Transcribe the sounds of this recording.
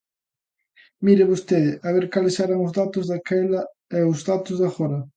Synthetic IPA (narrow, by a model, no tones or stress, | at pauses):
miɾeβost̪eðɪʔaβeɾkalesɛɾaŋʊzðat̪ʊzðakɛlɐ | ɛʊzðat̪ʊzðaxoɾɐ